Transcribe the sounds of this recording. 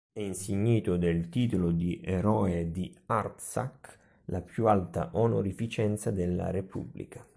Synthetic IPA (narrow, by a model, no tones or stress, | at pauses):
ɛinsiɲːiːt̪ʊd̪elt̪iːt̪olod̪iʔeɾɔed̪iart̪sa̰k | lapjualt̪a̰ʔɔnoɾifit͡ʃɛnt̪sad̪elːa̰ɾepṵbːlḭka